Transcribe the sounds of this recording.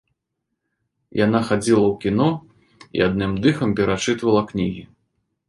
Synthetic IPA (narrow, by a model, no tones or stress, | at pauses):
jan̪axad͡zʲilˠɐwkʲinɔ | ḭad̪̚nɨmd̪ɨxɐmpʲɛɾat͡ʂɨt̪vɐlˠɐknʲiɣʲḭ